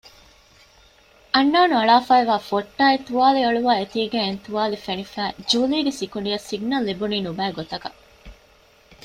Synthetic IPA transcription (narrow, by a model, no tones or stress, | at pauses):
ɐnːaːnuɐɭaːfaːeʋaːfoʈːaːet̪uʋaːliɐɭuʋaːet̪iːɡæ̃ːent̪uʋaːlifenifæːd͡ʒuːliːɡesikuɳɖiɐsiɡnɐlːibuniːnubæːɡot̪ɐkɐ